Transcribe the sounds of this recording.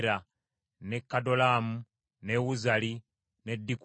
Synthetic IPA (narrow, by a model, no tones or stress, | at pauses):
ɾa | ne̞kːado̞laːmu | ne̞wuzali | ne̞dːik